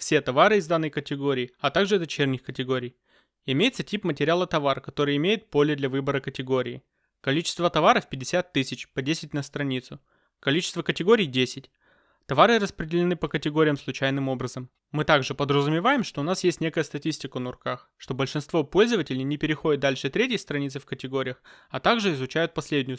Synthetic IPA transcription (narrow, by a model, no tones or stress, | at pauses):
fsʲe̞t̪ɐvaɾɨɪzd̪anːəjkətʲɪɡoɾʲɪːɐt̪aɡʐɨd̪ɐt͡ɕernʲɪxkətʲɪɡo̞ɾʲɪj | ɪmʲejɪt̪sətʲipmətʲɪɾʲɪalˠət̪ɐvarkɐt̪o̞ɾɨjɪmʲejɪt̪̚po̞lʲɪd̪lʲɐvɨbəɾəkətʲɪɡo̞ɾʲɪː | kɐlʲit͡ɕɪ̥st̪vət̪ɐvaɾəfpʲɪdʲːɪsʲat̪ːɨsʲɪt͡ɕpɐdʲesʲɪt̚ʲnəst̪ɾɐnʲit̪sʊ | kɐlʲit͡ɕɪst̪vəkətʲɪɡo̞ɾʲijdʲesʲɪtʲ | t̪ɐvaɾɨrəspɾʲɪdʲɪlʲɪnɨpəkətʲɪɡo̞ɾʲɪjəmslˠʊt͡ɕæjnɨmo̞bɾəzəmː | ɨt̪aɡʐɨpəd̪ɾəzʊmʲɪvajɪmʂt̪o̞ʊnasjesʲtʲnʲe̞kəjəst̪ɐtʲisʲtʲɪkənəʊrkax | ʂt̪o̞bəlʲʂɨnst̪vo̞po̞lʲzəvətʲɪlʲɪjnʲɪpʲɪɾʲɪxo̞dɪt̪d̪alʲʂɨt̪ɾʲet̬ʲjəjst̪ɾɐnʲit̪sɨfkətʲɪɡo̞ɾʲɪjəxɐt̪aɡʐɨɪzʊt͡ɕæjʊt̪̚pɐsʲlʲedʲnʲɪjʊ